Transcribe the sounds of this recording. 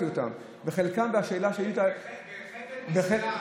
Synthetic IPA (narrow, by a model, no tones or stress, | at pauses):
iota̰m | veχelkambeaʃeːlaʃeajita | beχe